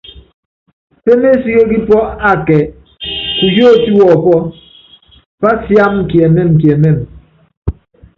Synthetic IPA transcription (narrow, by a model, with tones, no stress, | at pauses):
pe˦me˦si˦ɣe˦ki˦pwɔ˦a˦˨kɛ˨ | ku˨jo˦˨ti˦wɔ˨pɔ˦ | pa˦sja˦mŋ̩˨kje˨me˦m̩˨k̬je˨me˦˨m